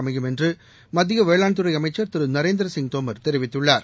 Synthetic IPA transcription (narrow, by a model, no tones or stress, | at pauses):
ɐmɐjɯmɛndrɯ | mɐðɪɣɐʋeːɭaːɳt̪ɯɾɐɪɐmɐɪt͡ʃːɐɾt̪ɪɾɯnɐɾeːnd̪ɪɾɐsɪŋɡt̪oːmɐɾt̪ɛɾɪʋɪt̪ːɯɭːaːɾ